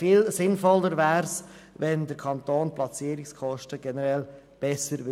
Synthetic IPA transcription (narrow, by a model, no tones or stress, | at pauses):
fɪːlsɪnfɔlːəɾvæːɾs | ʋɛndəɾkʰɑntoːnplɑt͡siːəɾikskʰɔʃtəɡ̥ɛnəɾɛl | b̥ɛsəɾʋɪ